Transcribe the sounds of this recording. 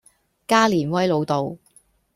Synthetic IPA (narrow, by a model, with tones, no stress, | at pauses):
kaː˥liː˨˩nwɐ˥jlo˨˧wt̪o˨w